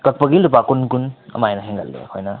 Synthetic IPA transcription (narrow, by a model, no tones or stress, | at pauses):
kɐk̚pɐɡilːup̬akunkunɐ̰majnɐɦeŋɡalɡḛɐ̰kʰojnɐ